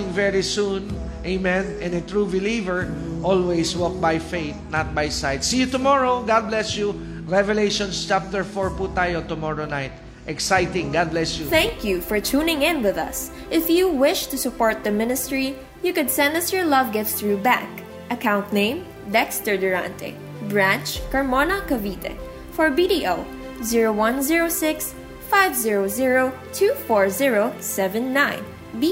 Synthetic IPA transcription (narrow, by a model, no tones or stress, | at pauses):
ɪ̃ŋvɛɹisũn | ʔemɛ̃nɛ̃nɛt̪ɹubɪlivəɹʔɔlwejswɔk̚bajfeɪt̪̚nat̪̚bajsajd̪sijut̪ʊmɔɹoɡad̪̚blɛsju | ɹɛvɛlejʃɔ̃nst͡ʃap̚t̪ɛɹfɔɹput̪ajot̪ʊmɔɹonaɪt̪̚ | ʔɛksajt̪ɪ̃ŋɡad̪̚blɛsjuθæ̃ŋkʰjufɔɹt͡ʃʰuːnɪ̃ŋɪ̃nwɪðʌ̰s | ʔɪfjuwɪʃt̪usʊpɔɹt̪̚d̪əmɪnɪst̪ɹi | jɨkʊd̪sɛ̃nd̪ʌsjɔɹlʌvɡɪtsθɹubæ̰k | ʔɐkãʊ̃nt̪nẽɪ̃m | dɛkst̪əɹd̪ʊɹã̰nt̪ʰɛ̰ | bɹæ̃nt͡ʃkɐɹmɔnakɐvit̪ɛ̰ | fɔɹbidiʔoʊ | ziɹowʌ̃nziɹoʊsɪks | faɪvziɹoʊziɹoʊ | t̪ʰufɔɹziɹoʊsɛvɛ̃nːãɪ̃n | bi